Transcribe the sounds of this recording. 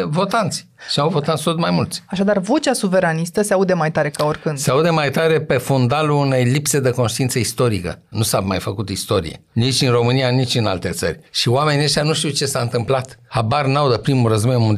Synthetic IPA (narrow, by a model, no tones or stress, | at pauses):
vo̞t̪ant̪sʲ | ʃiauvo̞t̪ant̪sʲt̪ot̪majmult̪sʲaʃad̪arvo̞t͡ʃʲasuveɾanist̪əseaud̪emajt̪aɾe̞kaorʲkɨndseaud̪emajt̪aɾe̞pe̞fund̪aluːne̞jlipse̞d̪eko̞nʃt̪iint̪səist̪o̞ɾikə̰nusamajfəkut̪ist̪o̞ɾḭe̞̰nit͡ʃʲɨnro̞mɨnijanit͡ʃʲɨnalt̪e̞t̪sə̰rʲʃioame̞nieʃt̪januʃt̪iwt͡ʃe̞saɨnt̪ɨmplat̪habarnawd̪əpɾimurəzbojɨnmund̪